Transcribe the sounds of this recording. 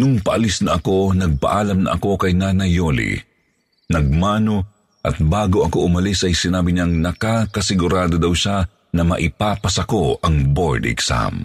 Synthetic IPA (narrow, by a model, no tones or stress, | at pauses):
nʊŋpɐʔɐlɪsnɐʔɐko̞nɐɡ̚pɐ̰ʔaːlɐmnɐ̰ʔɐ̰ko̞kɐjnanɐjolḭ | nɐɡ̚maːno̞ | ʔɐt̪̚baːɡoʔɐkoʔʊmɐlisʔɐjsɪnaːbɪɲaŋnɐkakɐsɪɡʊɾaːd̪od̪ɐwʃa | nɐmɐ̰ʔɪpaːpɐsɐko̞ɐŋboɹd̪ɛ̰ksa̰m